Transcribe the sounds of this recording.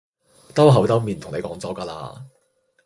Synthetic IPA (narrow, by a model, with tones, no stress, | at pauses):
t̪ɐ˥wɦɐ˨˥wt̪ɐ˥wmiː˨˩nt̪ʰʊ˨˩ŋne˨˧kɔː˨˥ŋt͡sɔː˨˥kaː˧la̰ː˧